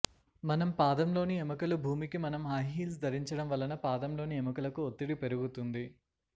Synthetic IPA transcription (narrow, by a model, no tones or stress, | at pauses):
mɐnɐmpaːd̪ɐmlo̞ːniɛmɐkɐlubʱuːmikimɐnɐmaːjɦiːls̬d̪ʱɐɾiɲt͡ʃɐɽɐmʋɐlɐnɐpaːd̪ɐmlo̞ːniɛmɐkɐlɐkuot̪ːiɽipe̞ɾuɡut̪und̪i